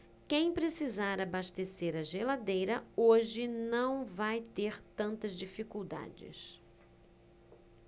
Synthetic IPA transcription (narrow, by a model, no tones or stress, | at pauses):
kẽj̃pɾesizaɾabaʃt̪eseɾɐʒelad̪ejɾɐoʒɪnɐ̃w̃vajt̪eɾt̪ɐ̃nt̪ɐzd͡ʒifikuwd̪a̰d͡ʒɪ̰s